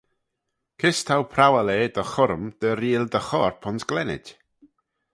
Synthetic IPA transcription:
kʰɪstʰawpʰrawɛlˠeːdəχɔɾmd̪̥əɾiːlˠdəχɔrpʰɔntɡ̥lɛnɪ̰d̥

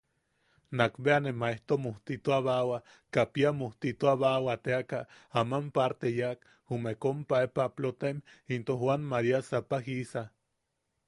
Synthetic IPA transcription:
nakbeanemaeht̪omoht̪it̪oaβawa | kapiamoht̪it̪oaβawat̪eaka | amampaɾt̪ejak | humekompaepaplot̪emint̪ohwanmaɾiasapahisa

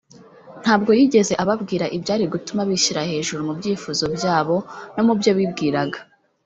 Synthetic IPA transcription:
n̥haːb̚ɡo̞jiːɟe̞ze̞ʔaβabɡiːɾaʔibjaːɾiɡutumaβiʃiɾahe̞ːʒuɾumubɟiːfuzo̞bjaːβo̞no̞mubjo̞βibɡiːɾaɡa

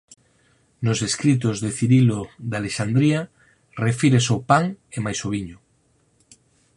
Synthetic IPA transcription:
nozeskɾit̪̬ozðeθiɾiloðaleʃand̪ɾia | refiɾesopaŋemajsoβiɲʊ

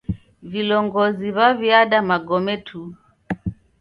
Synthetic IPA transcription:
vilɔŋɡɔziβaviaɗamaɡɔmɛtʰu

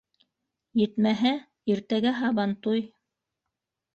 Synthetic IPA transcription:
jɘ̆t̪mæɦæ | iɾt̪æɡæɦɑβɑnt̪uj

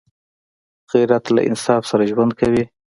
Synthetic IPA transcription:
qiɾat̪la̰ʔɪ̰nsɑfsaɾaʒwand̪̚kawi

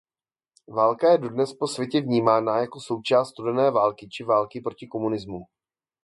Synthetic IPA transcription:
vaːlkajɛdo̞dnɛspo̞svʲjɛcɛvɲiːmaːnaːjako̞so̞wt͡ʃaːst̪t̪udɛnɛːvaːlkɪt͡ʃɪvaːlkɪpɾo̞cɪko̞munɪzmu

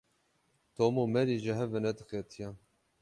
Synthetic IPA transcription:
t̪ʰoːmomɛɾiʒɪɦɛvɛnɛd̪ɨxet̪ʰijɛ

